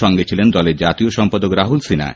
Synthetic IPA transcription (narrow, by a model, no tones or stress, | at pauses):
ɔŋɡet͡ɕʰilend̪ɔleɾd͡ʑat̪ioʃɔmpad̪okɾaɦulsina̰